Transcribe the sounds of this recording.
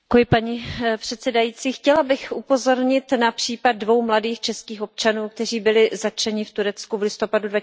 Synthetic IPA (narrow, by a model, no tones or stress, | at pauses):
kujɪpaɲipr̝̥ɛt̪sɛdajiːt͡siːxcɛlabɪxʔupo̞zo̞ɾɲɪt̪napr̝̥iːpad̪̚dvo̞wmladiːxt͡ʃɛskiːxo̞p̚t͡ʃanuːk̚t̪ɛriːbɪlɪzat͡ʃɛɲɪft̪uɾɛt͡skuvlɪst̪o̞padudva